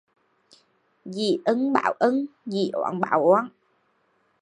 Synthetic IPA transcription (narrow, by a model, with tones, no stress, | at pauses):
zi˨˩ʔə˧˦ŋɓa̰ː˧˨wʔə˧˦ŋzi˨˩ʔɔ̰ː˧˨nɓa̰ː˧˨wʔwːn